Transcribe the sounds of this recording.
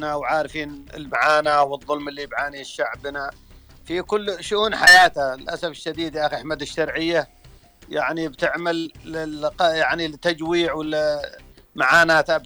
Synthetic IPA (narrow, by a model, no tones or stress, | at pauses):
nawʕaːɾfiːnɪ̰lmaʕaːnawɨðˤːʊlmɪlːibʕaːniːʃːaʕbna | fikʊlːʃʊʔuːnħajaːt̪aɪlʔasafɪʃːad̪iːd̪ʔaxaħmad̪ɪʃːɑɾˤʕɪjːa | ja̰ʕnibt̪ɪʕmalɪqjaʕnilɪt̪ːad͡ʒwiːʕwɪl | maʕaːnaːt̪ʔab